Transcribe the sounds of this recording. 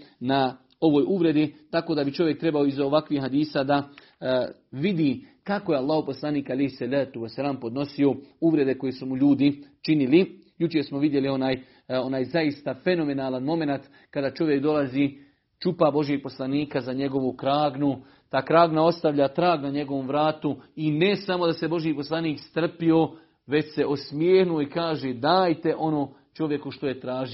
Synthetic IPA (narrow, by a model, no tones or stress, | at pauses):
na | o̞ʋo̞ːjʔuʋɾe̞d̪it̪ako̞ːd̪abit͡ʃo̞ʋje̞k̚t̪ɾe̞bao̞izoʋakʋihɦad̪iːsad̪a | ʋid̪i | kako̞jealːaːhoposlˠaniːkalejhsalaːt̪uʋasːalaːmpo̞d̪no̞sio̞uʋɾe̞d̪e̞ko̞jesumuʎuːd̪it͡ʃinili | jut͡ʃeɾsmo̞ʋid̪je̞lio̞naːj | o̞naːjzaist̪afe̞no̞me̞naːlanmo̞me̞nat̪ | kad̪aːt͡ʃo̞ʋje̞kd̪o̞laziː | t͡ʃupabo̞ʒjeɡ̚po̞slaniːkazaɲe̞ɡo̞ʋukɾaːɡnu | t̪aːkɾaːɡnao̞st̪aʋʎat̪ɾaːɡnaɲe̞ɡo̞ʋo̞mʋɾaːt̪uine̞samo̞d̪ase̞bo̞ʒjipo̞slˠaniːkst̪r̩pio̞ | ʋe̞t͡ɕse̞ʔosmjeːhnuoikaːʒeːd̪aːjt̪e̞ʔo̞noː | t͡ʃo̞ʋje̞kuʃt̪o̞je̞t̪ɾaːʒio